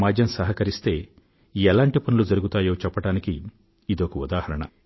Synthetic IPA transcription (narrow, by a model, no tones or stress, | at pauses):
maːd͡ʒjɐmsɐɦɐkɐɾist̪e̞ː | iɛlaːɳʈipɐnulud͡ʒɐɾuɡut̪aːjo̞ːt͡ʃɛpːɐʈaːniki | id̪okɐud̪aːhɐɾɐɳɐ̰